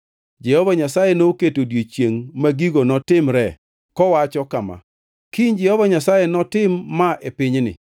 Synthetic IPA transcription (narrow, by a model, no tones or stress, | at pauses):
d͡ʒɛhɔvaɲasajenoketodjet͡ʃjeŋmaɡiɡonɔtɪmɾɛ | kɔwat͡ʃɔkama̰ | kiɲd͡ʒɛhɔvaɲasajenɔtɪmːaʔepɪɲnɪ̰